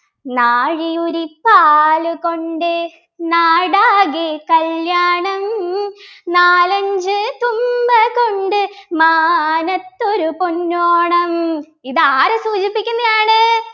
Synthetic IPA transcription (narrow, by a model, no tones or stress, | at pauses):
naːɻijoɾipːaːluko̞ɳɖɨ | naːɽaːɣikɐljaːɳɐm | naːlɐɲd͡ʑɨt̪umbɐkoɳɖɨmanɐt̪ːoɾupunːoːɳɐm | iðaːɾɐsuːt͡ɕipːikʲːunːɐðaːɳɨ